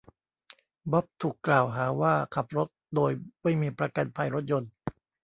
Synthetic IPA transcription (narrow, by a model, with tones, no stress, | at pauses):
bɔ˦˥p̚t̪ʰuː˨˩klaː˨˩wɦaː˩˦waː˥˩kʰa˨˩p̚ɾo˦˥t̪̚doː˧jma˥˩jmiː˧pɾa˧ka˧npʰa˧jɾo˦˥t̪̚jo˧n